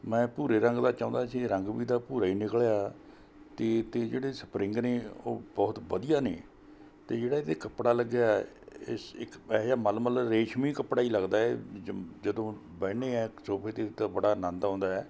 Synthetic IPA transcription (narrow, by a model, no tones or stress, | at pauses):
mɛ̃ːpuːɾeːɾəŋɡd̪aːt͡ʃãːʊ̃nd̪aːsiɾəŋɡʋiːd̪aːpuːɾaːiːnɪkɭeaː | t̪eːt̪eːd͡ʒeːɽeːsə̥pɾɪ̃ŋɡneːo̰ːbɔːt̪ʋəd̪ijaːnḛː | t̪eːd͡ʒeːɽaːet̪ekəpɽaːləɡːejaː | ɪ̰sɪkɛːd͡ʒaːməlməlɾeːʃmiːkəpɽaːiːləɡd̪aːɛd͡ʒəd̪õːbɛːneːɛːsoːpʰeːt̪eːt̪aːbəɽaːnə̃nd̪ɦõːnd̪aːɛː